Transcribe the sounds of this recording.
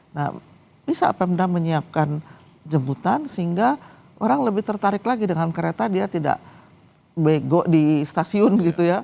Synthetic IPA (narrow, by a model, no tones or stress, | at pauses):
na̰ | b̥isapɛmdaməɲiap̚kan | d͡ʒəmbut̪ansəɦiŋɡa | ʔoɾaŋləbɪht̪ərt̪aɾɪklaɡidəŋankəɾet̪adiat̪ida̰ʔ | beɡɔʔdist̪asiʊnɡit̪uja